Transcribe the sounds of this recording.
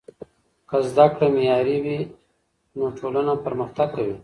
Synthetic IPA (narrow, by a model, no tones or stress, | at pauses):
kazd̪akɽamijɑːɾiwi | noʈʰolanapəɾməxt̪aɡ̚kawi